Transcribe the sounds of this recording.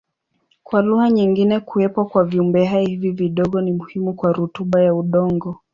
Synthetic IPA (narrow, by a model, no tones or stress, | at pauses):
kwaluhaɲiŋɡinɛkuɛpɔkwaviumbɛhaihiviviɗɔɠɔnimuhimukwaɾutuɓajauɗɔŋɡɔ